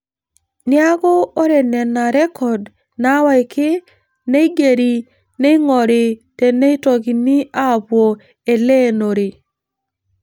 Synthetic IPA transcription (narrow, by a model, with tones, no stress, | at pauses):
nɪ˦a˦ɣɔ˦o˦ɾe˨nɛ˨na˨ɾɛ˦kʰɔ˨d | na˦wa˦ɪ˨kɪ˦ | ne˦i˦ɡe˨ɾi˨ | ne˦i˦ŋɔ˨ɾɪ˨tɛ˨ne˦i˦tɔ˨ɡi˨ni˦a˦˨pwo˨ | e˨le˦no˨ɾe˨